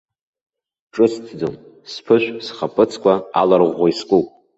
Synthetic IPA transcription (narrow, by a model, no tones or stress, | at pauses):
ʈ͡ʂʼɨstʰd͡zom | spʰɨʃʷᶣsχapʼɨt͡sʰkʷʰaa̰larʁʷaiskʷʼupʼ